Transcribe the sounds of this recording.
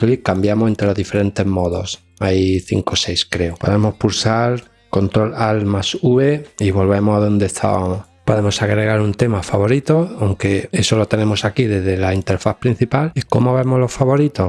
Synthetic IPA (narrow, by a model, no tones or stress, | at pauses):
likambjamose̞nt̪ɾelo̞ɦðife̞ɾẽ̞nt̪e̞zmo̞ðo̞s | ajθḭŋko̞sejskɾe̞opo̞ðe̞mo̞hpuɾsaɾ | ko̞nt̪ɾo̞lalmasuβeiβo̞lβe̞mosaðo̞nd̪eht̪ʰa̰βa̰mo | po̞ðe̞mo̞saɣɾe̞ɣaɾunt̪e̞mafaβo̞ɾit̪oawŋke̞eso̞lot̪e̞ne̞mosakiðe̞zðe̞laint̪e̞ɾfaθpɾin̟θipaliko̞moaβemolofaβo̞ɾit̪o̞